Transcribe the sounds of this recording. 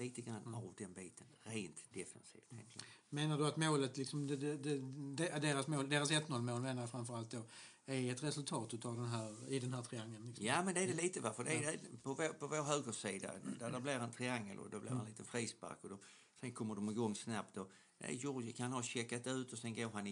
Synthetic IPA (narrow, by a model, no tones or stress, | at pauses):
liːt̪əɡɾanːavd̪ɛnbiːt̪ʰənɾeːnt̪d̪̥ɛfɛnsḭːft̪ʰɛ̰ŋt̪ʰlɪ̰meːnaɖɵat̪moːlət̪lɪksɔmd̪ɛɛd̪ɛd̪ed̪eːɾasmoːld̪eːɾasɛt̪ːmoːlmoːlmeːnajfɾamfœɾalt̪̚d̪o | æɾɛt̪ɾɛsɵlt̪ʰɑːt̪ʉt̪avd̪ɛnɦæːɾɪd̪ɛnɦæːt̪ʰɾɪaŋːlənlɪksjamɛnd̪ɛædɛliːt̪əvafəd̪ɛædɛpʰɔvpʰɔvoːɾɦøːɡəsiːd̪a̰d̪ædæblɪɾɛnt̪ʰɾɪaŋːəlʔɔ̰d̪ɔblɪ̰ɾhanliːt̪ənfɾiːspa̰ɾkɔd̪ɔ | sɛnkʰɔmːəɖɔmɪɡɔŋːsnap̚t̪ɔ | næ̰jʊɾɡɪkhanhaɕɛkːat̪ːɛʉ̟ːt̪ɔsɛnɡoːɾɦan